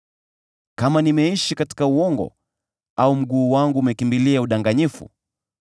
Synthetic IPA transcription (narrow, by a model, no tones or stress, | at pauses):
kamanimɛiʃikati̥kauɔŋɡɔ̰ | aum̩ɠuːwaŋɡuːmɛkimbiliauɗaŋɡaɲifṵ